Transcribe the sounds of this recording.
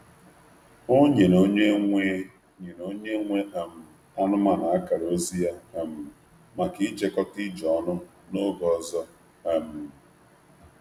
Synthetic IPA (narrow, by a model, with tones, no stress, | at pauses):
o˦ɲe˨no˦ɲe˦ŋʷe˦ | ɲe˨no˦ɲe˦ŋʷe˦ʔa˨m̩˨ | a˦nʊ˦ma˨na˨a˦ka˨ɾo˦zi˦ja˦a˨m̩˨ | ma˨ki˦d͡ʒe˦kɔ˦ti˦d͡ʒɔ˨˦nʊ˦ | no˦ɡɔ˨˦zɔ˦ | a˨m̩˨